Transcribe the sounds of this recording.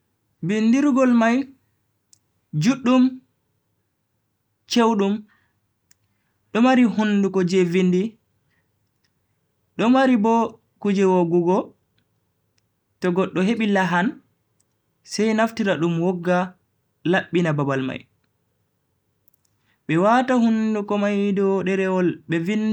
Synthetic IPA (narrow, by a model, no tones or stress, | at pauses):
bindiɾuɡɔlmaj | d͡ʒuɗːum | t͡ʃewɗum | ɗɔmaɾihundukɔd͡ʒevindi | ɗɔmaɾibɔ | kud͡ʒɛwoɡuɡɔ | tɔɡɔɗːɔɦeɓilaɦan | sɛjnaftiɾaɗumwɔɡːa | laɓːinababalma̰j | ɓɛwatahundukɔmajdɔɗɛɾɛwɔlɓɛvin